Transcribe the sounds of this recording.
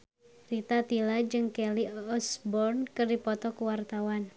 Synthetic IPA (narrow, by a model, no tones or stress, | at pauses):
rit̪at̪ilad͡ʒɨŋkɛliɔsbɔrnkɨrdipɔt̪ɔkuwart̪awan